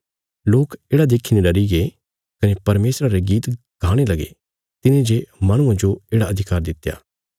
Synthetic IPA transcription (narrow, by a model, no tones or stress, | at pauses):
loːkeːɽad̪eːkʰːineɖɐɾiɡe | kɐnepɐɾmeːsɾaɾeɡiːt̪ | ɡʱaːɽ̃elɐɡḛ | t̪ɪnẽd͡ʒemɐɽ̃ʊ̃ãd͡ʒoeːɽaɐd̪ʱɪkaːɾd̪ɪt̪ːja̰ː